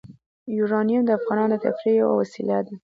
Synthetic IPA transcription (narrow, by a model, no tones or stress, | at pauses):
juɾɑnijumd̪əafɣɑnɑnot̪ʰa̰fɾijawa̰wasilad̪a